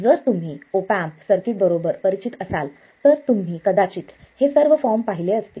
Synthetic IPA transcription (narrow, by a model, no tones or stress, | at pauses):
d͡zəɾt̪um̤iːopampsəɾkibəɾobəɾpəɾit͡ɕit̪əsal | t̪əɾt̪um̤iːkəd̪at͡ɕiːt̪ | hesəɾʋəfɔɾmpaɦileəst̪ḭː